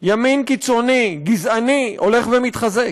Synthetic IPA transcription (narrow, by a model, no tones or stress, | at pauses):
jaminkit͡so̞niɡizanio̞le̞χvemit̪χazek